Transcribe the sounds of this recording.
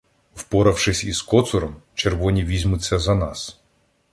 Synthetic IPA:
wpɔɾɐwʃɪsʲiskɔt̪sʊɾɔmt͡ʃerʋɔnʲiʋʲizʲmʊt͡sʲːɐzɐnɑs

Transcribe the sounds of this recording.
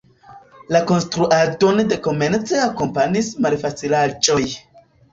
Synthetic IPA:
lako̞nstɾuʔado̞nde̞ko̞me̞nt͡seako̞mpanismalfat͡silad͡ʒo̞j

